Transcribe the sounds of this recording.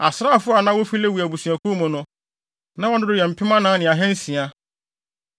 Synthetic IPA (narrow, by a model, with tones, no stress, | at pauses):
a̰˨sɾa˦a˨fʊ˦a˨nã˦wo˦fi˦le˦wu˨æ˨bu˨su˨æ˨ku˦mʊ̃˨nʊ̃˦ | nã˦wɔ˦nʊ̃˦dʊ˦jɛ˨m̩˨pʰɪ˦mã˦nãː˦nɪ̃˨a˨ɦɛ̃˦n̩˦sĩ˨a˦